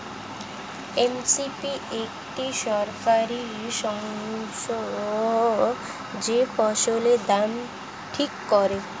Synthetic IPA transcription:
emsipiekʈiʃɔɾkaɾi | ʃɔŋʃɔ | d͡ʒepɔʃoled̪am | ʈʰikːɔɾe

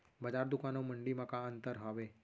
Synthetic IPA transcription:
bəd͡ʒaɾd̪ukãnoməɳɖimãkãənt̪əɾɦaʋe

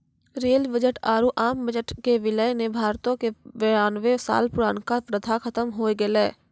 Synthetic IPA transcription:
ɾeːlbəd͡ʒəʈaːɾuʔaːmbəd͡ʒəʈkeʋɪlənebʱaːɾt̪õkeʋeaːnʋesa̰ːlpʊɾaːnkapɾəd̪ʱʰakʰət̪əmɦoːeɡelɛː

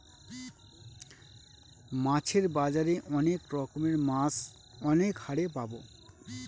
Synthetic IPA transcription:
mãt͡ɕʰeɾbad͡ʑaɾeʔɔnekɾɔkomeɾmas | ɔnekhaɽepabo

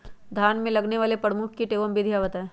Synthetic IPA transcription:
d̪ʱaːnmẽlɐɡneʋaːlepɐɾmʊkʰkiʈeːʋəmbid̪ʱjaʋət̪ɛ

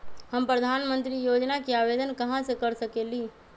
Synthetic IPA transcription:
həmpɾəd̪ʱaːnmə̃nt̪ɾijoːd͡ʒnakiaːʋeːd̪ənkɐɦãsekɐɾsɐkeːliː

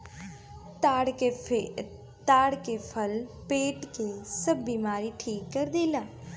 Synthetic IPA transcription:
t̪ːɽ | t̪aːɽkeːpʰəlpeːʈkeːsəbːiːmaːɾiːʈʰiːkːəɾd̪eːlaː

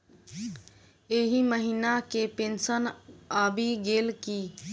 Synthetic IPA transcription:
eɦiməɦiːnakepẽːnsənaːbʱiɡeːlkiː

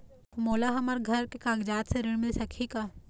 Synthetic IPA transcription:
moːlaɦɐməɾɡʱɐɾkekaːɡd͡ʒaːt̪seɾɪɽmɪlsɐkʰikaː

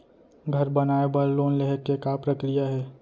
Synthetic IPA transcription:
ɡʱɐɾbɐnaːebəɾloːnleɦəkːekapɾəkɾijaɦɛː

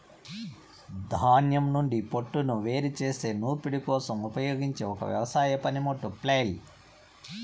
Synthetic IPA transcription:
d̪ʱaːnjɐmnuɳɖipoʈːunuʋe̞ːɾit͡ʃeːse̞ːnuːɾpiɽikɔːsɐmupɐjoːɡiɲt͡ʃeːɔkɐ̰ʋjɐ̰ʋɐsaːjɐpɐnimoʈːuplejl

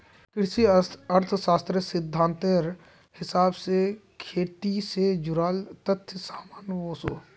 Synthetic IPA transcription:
kɪɾsiɐɾt̪ʰʃaːst̪ɾəsɪd̪ʱːãːnt̪eɾ | hɪsaːbse | kʰeːt̪ised͡ʒʊɾaːlt̪ɐt̪ʰːjsaːmaːnʋoːsoː

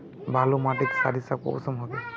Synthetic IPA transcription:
bʱalomatiksadisako̰wsɔmɦɔbɛ

